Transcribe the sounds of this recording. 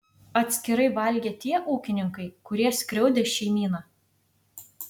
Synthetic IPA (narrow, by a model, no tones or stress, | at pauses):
ɐt̪ʲsʲkʲɪɾɐɪʋɐlʲɡʲeːt̪ʲiɛʔuːkʲɪnʲɪŋkɐɪkʊɾʲiɛsʲkʲɾʲɛʊd̪ʲeːʃʲɛɪmʲiːnɑː